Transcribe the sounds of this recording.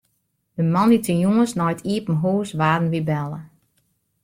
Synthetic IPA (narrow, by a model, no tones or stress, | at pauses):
dəmɑnditəjuəsnɔjtʰiəpn̩ɦuːsʋaːdn̩ʋibɛlˠə